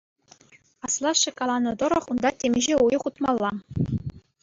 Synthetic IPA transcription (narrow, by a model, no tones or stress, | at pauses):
ɑslˠɑʂːɤ̆kɑlˠɑnɤ̆t̪ɤ̆ɾɤ̆χund̪ɑtʲemʲiʑeujɤ̆χut̪mɑlˠːɑ